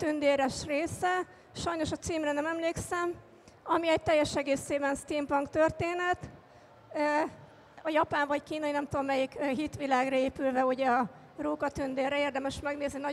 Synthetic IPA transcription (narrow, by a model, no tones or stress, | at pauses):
t̪ynd̪eːɾɛʃreːsɛ | ʃɒjno̞ʃɒt̪siːmrɛnɛmɛmleːksɛm | ɒmiɛc̚t̪ɛjːɛʃɛɡeːseːbɛnst̪iːmpɒŋkt̪ørt̪eːnɛt̪ | ø | ɒjɒpaːnvɒckiːnɒinɛmt̪oomːɛjikːɦit̪ʋilaːɡrɒeːpylvɛuɟɛɒ | roːkɒt̪ynd̪eːrːɛeːrd̪ɛmɛʃmɛɡneːzninɒ